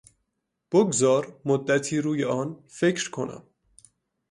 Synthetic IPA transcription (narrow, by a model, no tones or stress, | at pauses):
b̥oɡzɒːɾmod̪ːæt̪ʰiːɾuːjeɒːnfecɾkʰonæ̰m